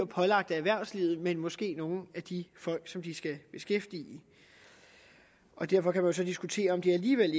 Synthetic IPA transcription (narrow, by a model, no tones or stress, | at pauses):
ɒpʰɒ̽lɑ̈ɡ̥̚d̥æʋæɐ̰sliːð̩ˠmenmɒ̽sɡ̥e̝̰ːno̝ːn̩æd̥ifɒ̽l̰ɡ̥sɒ̽md̥isɡ̥æb̥e̝sɡ̥efd̥ḭː | ʔɒ̽d̥æɐfɒ̽kʰæmænjo̝s̬ɒ̽d̥isɡ̥ut͡sʰe̝̰ːɐɒ̽md̥e̝æliːʋel̰